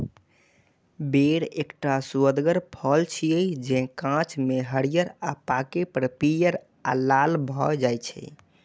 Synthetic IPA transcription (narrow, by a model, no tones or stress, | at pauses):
beɾekʈasuəd̪ɡəɾpʰɔlt͡ʃʰijəjd͡ʒɛ̃kãt͡ʃmeɦəɽijəɾapakepəɾpijəɾ | alalbʱɔd͡ʒajt͡ʃʰɛ̰